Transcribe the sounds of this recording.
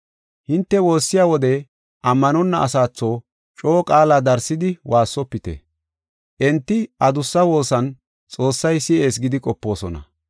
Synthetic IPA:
hɪnt̪ːɛwo̞ːsːɪjaːwɔd̪ɛ | ʔɐmːɐnɔnːɐʔːsaːt͡sːo̞ː | t͡ʃʼo̞ːkʼaːlaːd̪ɐɾsːɪd̪ɪwʔaːsːɔpːɪt̪ɛ̰ | ʔɛnt̪ːɪʔɐd̪ʊsːɐwo̞ːsɐn | t͡sʼo̞ːsːɐjsɪʔe̞ːs̬ɡɪd̪ɪkʼɔpːo̞ːsɔnɐ̰

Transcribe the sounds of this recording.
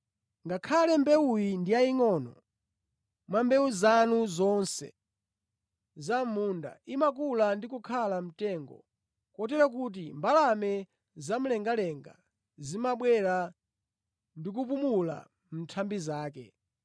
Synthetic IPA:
ŋɡakʰalɛmbɛujindiaiŋɔnɔ̰ | mwambɛuzanuzɔnsɛ̰ | zamunda̰imak̬ulandikukʰalam̩tɛːŋɡɔ̰ | kɔt̬ɛɾak̬ut̬imbalamɛ | zam̩lɛŋɡalɛŋɡa̰ | zimaɓwɛɾa | ndik̬up̬umula̰ | m̩tʰambizaːkɛ̰

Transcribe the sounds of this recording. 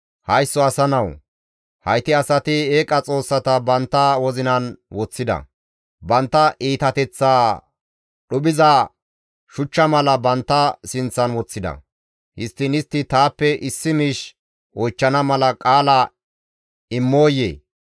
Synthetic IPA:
hɐjsːɔɐsɐnɐw | hɐjt̪ɪɐsɐt̪ɪeːkʼɐt͡sʼo̞ːsːɐt̪ɐbɐnt̪ːɐwɔzɪnɐnwɔt͡sːɪd̪ɐ̰ | bɐnt̪ːɐʔiːt̪ɐt̪ɛt͡sːaː | ɗʊɓɪzɐ | ʃʊt͡ʃːɐmɐlɐbɐnt̪ːɐsɪnt͡sːɐnwɔt͡sːɪd̪ɐ̰ | hɪst̪ːɪnɪst̪ːɪt̪aːpːɛʔɪsːɪmiːʃ | ʔɔjt͡ʃːɐnɐmɐlɐkʼaːlɐ | ɪmːo̞ːjḛː

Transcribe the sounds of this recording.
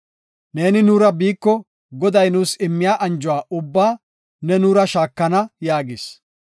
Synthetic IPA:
ne̞ːnɪnuːɾɐbiːkːɔ | ɡɔd̪ɐjnuːsɪmːɪjaːʔɐnd͡ʒʊwaːʔʊbːaː | nɛnuːɾɐʃaːkːɐnɐjaːɡɪs

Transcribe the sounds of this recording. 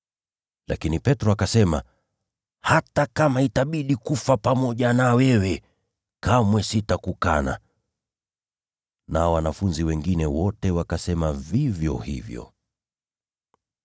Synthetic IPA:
la̰kinipɛtɾɔakasɛma | hatakamaitaɓiɗikufapamɔʄanawɛwɛ | kamwɛsitakukana̰ | nawanafunziwɛŋɡinɛwɔtɛwakasɛmavivjɔ̰hḭvjɔ̰

